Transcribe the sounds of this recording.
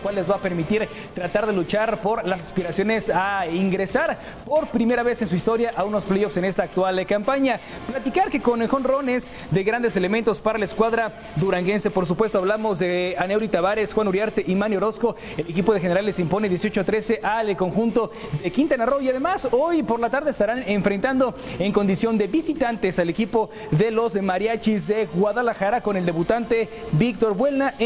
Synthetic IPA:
kwalːe̞zβape̞ɾmit̪iɾ | t̪ɾat̪aɾðe̞lut͡ʃaɾpo̞ɾlas̬aspiɾasjo̞ne̞saiŋɡɾe̞saɾ | po̞ɾpɾime̞ɾaβe̞se̞ns̬uist̪o̞ɾjaʔauno̞splejofse̞ne̞st̪aːk̚t̪walkampaɲa | plat̪ikaɾke̞ko̞nexo̞nro̞ne̞s | d̪e̞ɣɾand̪es̬e̞lement̪o̞spaɾalaeskwaðɾa | ðuɾaŋɡe̞nse̞po̞ɾs̬upwe̞st̪o̞aβlamo̞zðeanewɾit̪aβaɾe̞sxwanuɾjaɾt̪eʔimanjoɾo̞sko̞ | ele̞kipo̞ðe̞xe̞neɾalːesimpo̞ne̞ðjesjo̞t͡ʃot̪ɾe̞se̞ʔalko̞ŋxunt̪o̞ðe̞kint̪anaro̞iaðe̞maso̞jpo̞ɾlat̪aɾðeest̪aɾane̞ɱfɾe̞nt̪and̪o | e̞ŋko̞nd̪isjo̞nd̪e̞βisit̪ant̪e̞sale̞kipo̞ | ðe̞lo̞smaɾjat͡ʃizðe̞ɣwaðalaxaɾako̞ne̞ld̪e̞βut̪ant̪e̞ | bikt̪o̞ɾbwe̞lna

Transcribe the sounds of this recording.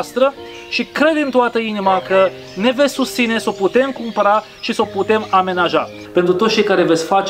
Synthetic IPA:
st̪ɾə | ʃikɾe̞d̪ɨnt̪oat̪əinimakə | ne̞vesʲsust̪sine̞so̞put̪e̞mkumpəɾa | ʃiso̞put̪e̞mame̞naʒa | pe̞nt̪ɾut̪ot̪t͡ʃejkaɾe̞vesʲfat͡ʃ

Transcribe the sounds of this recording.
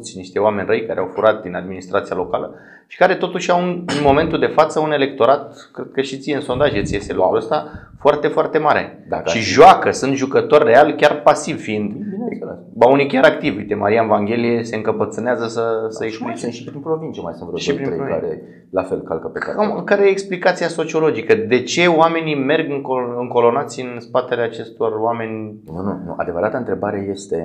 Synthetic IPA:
t̪sʲniʃt̪ewame̞nʲrəjkaɾeawfuɾat̪̚d̪inad̪minist̪ɾat̪sialo̞kalə | ʃi̥kaɾe̞t̪o̞t̪uʃawunnmo̞me̞nt̪uld̪e̞fat̪səune̞le̞k̚t̪o̞ɾat̪̚ | kɾe̞d̪̚kəʃit̪sijeɨnso̞nd̪aʒet̪sijeselukɾuəst̪a | foart̪e̞foart̪e̞maɾḛd̪aʃiʒoakəsɨnt̪ʒukət̪o̞rʲːe̞alkʲarpasivfiind̪ | baunijkʲaɾakt̪ivʲujt̪e̞maɾianvaŋɡʲe̞lije̞se̞ɨŋkəpət̪sɨneazəsəsəeksplit͡ʃʃipɾinpɾovint͡ʃemajsɨnvɾoʃipɾiɾeovka̰ɾe | lafelka̰lkəpekamkaɾejeeksplikat̪siaso̞t͡ʃio̞lo̞d͡ʒikəd̪e̞t͡ʃe̞owame̞nime̞rɡɨŋkoɨŋko̞lo̞nat̪sʲɨnspat̪eleat͡ʃe̞st̪o̞rwame̞nʲ | nunṵnṵʔa̰d̪e̞vəɾat̪əɨnt̪ɾe̞baɾeje̞st̪e̞

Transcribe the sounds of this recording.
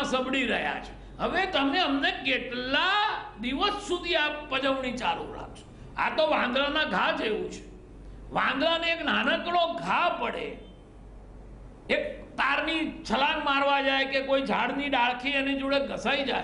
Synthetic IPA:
səbɽiɾəɦja̰t͡ʃʰe̥ | ɦəʋet̪əmneəmnekeʈlad̪iʋəsːud̪ʱiapəd͡ʒəʋnit͡ʃaɾṵ̃ɾa̰k̚t͡ʃʰe̥ | a̰t̪oʋãnd̪lanãɡʱad͡ʒeʋũt͡ʃʰe̥ | ʋãd̪laneeknanəkɽoɡʱapəɽḛ | ek̚t̪aɾnit͡ʃʰəlanmaɾʋad͡ʒajkekoid͡ʒʱaɽniɖaɭkʰiəned͡ʒuɽeɡʱəsaid͡ʒaj

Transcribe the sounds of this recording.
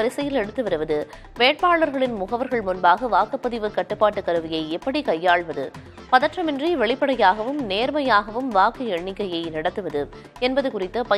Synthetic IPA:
ɐɾɪsɐjɪlɛɽɯt̪ːɯʋɐɾɯʋɐðɯ | ʋeːʈ̚paːɭɐɾɣɐɭɪnmʊɣɐʋɐɾɣɐɭmʊnbaːɣɐʋaːkɐpːɐðɪʋɯkːɐʈːɯpːaːʈːɯkːɐɾɯʋɪjɐɪɛpːɐɽikɐjːaːɭʋɐðɯ | pɐðɐʈrɐmɪndriʋɛɭɪpːɐɽɐjaːɣɐʋɯmneːɾmɐjaːɣɐʋɯmʋaːkɯɛɳːɪkːɐjɐɪnɐɽɐt̪ːɯʋɐðɯ | ɛnbɐðɯkʊrɪt̪ːɐpɐ

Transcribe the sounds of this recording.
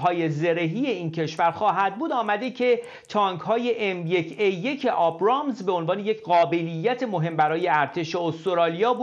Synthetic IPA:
ɦɒːje̞ze̞ɾeɦije̞iːncʰe̞ʃvæɾxɒːɦæd̪̚buːd̪ɒːmæd̪ecʰe | t̪ʰɒːŋkhɒːje̞ʔemjecʰejːecʰe̞ʔɒːbɾɒːmzbeo̞nvɒːne̞je̞cʰɢɒːbe̞lijːæt̪ʰe̞moɦe̞mbæɾɒːje̞æɾt̪ʰe̞ʃeost̪oɾɒːlijɒːbu

